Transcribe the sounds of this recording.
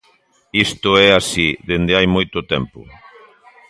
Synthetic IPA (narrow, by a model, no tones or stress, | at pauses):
ist̪ʊɛasiðend̪eajmojt̪ʊt̪ɛmpʊ̰